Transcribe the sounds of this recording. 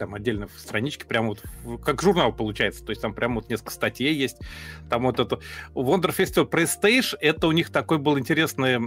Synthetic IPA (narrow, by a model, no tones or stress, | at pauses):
t̪amɐdʲːelʲnəjfst̪ɾɐnʲit͡ɕkʲɪpɾʲaməvo̞t̪kakʐʊrnalˠpəlˠʊt͡ɕæjɪt̪sət̪o̞ɪsʲtʲt̪ampɾʲʔaməvonʲesklkəst̪ɐtʲjejːesʲtʲt̪amvot̪ɛt̪ʊvond̪ərfʲesʲt̪ʲɪvlʲpɾəɪst̪ejʂɛt̪əʊnʲixt̪ɐkojbɨlˠəɪnʲtʲɪɾʲesnɨjə